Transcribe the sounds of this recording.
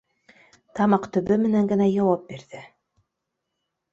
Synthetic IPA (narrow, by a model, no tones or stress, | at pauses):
t̪ɑmɑqt̪ɵ̆βɵmɘ̆næŋɡɘ̆næjɑwɑp̚biɾðɘ